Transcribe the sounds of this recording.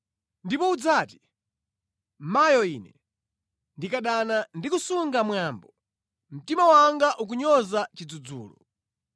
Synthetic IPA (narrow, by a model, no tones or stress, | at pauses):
ndipɔud͡zaːti̥ | majɔḭːnɛ | ndikaɗanandikusuŋɡamwaːmbɔ | m̩timawaŋɡaʔuk̬uɲɔzat͡ʃid͡zud͡zṵːlɔ̰